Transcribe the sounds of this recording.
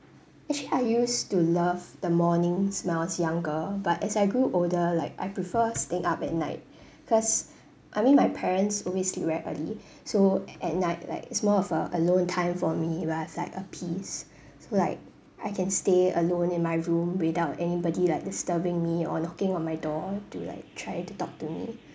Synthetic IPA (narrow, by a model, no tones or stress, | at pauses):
ʔɛk̚t͡ʃəliaɪjustulavdəmɔnɪ̃ŋsmawsjãŋɡəbatɛsaɪɡɹuʔoldəlaɪka̰jpɹifəstɪ̃ŋʔapɛt̚na̰ɪt̚ | kʰɔs | ʔaɪmĩnmajpʰɛɹə̃ntsɔwisliɹɛʔə̰li | soʔɛt̚naɪt̚la̰ɪkɪtsmɔɔvəʔəlõntʰãɪ̃mfɔmiwɛasla̰ɪkəpʰis | solaɪk̚ | ʔaɪkʰɛ̃nsteə̰lõnɪ̃nmaɪɹũmwɪdaʊtɛnibɔdilaɪk̚dɪstəbɪ̃ŋmiɔ̰nɔkɪ̃ŋɔ̃nmaɪdɔtula̰ɪk̚tʰɹaɪtutɔk̚tumḭ